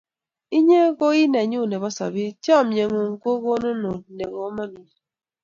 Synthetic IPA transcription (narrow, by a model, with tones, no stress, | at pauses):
i˦ɲe˦ɣo˦i˦ne˨ɲo˦˨ne˨βɔ˦sa̰˨bi˦t͡ʃɔ˦˨m̩˦ɲe˨ŋo˨ŋ̩˨ko˦ɣo˦no˦no˨ne˨ɣo˨˦mɔ˦ni˨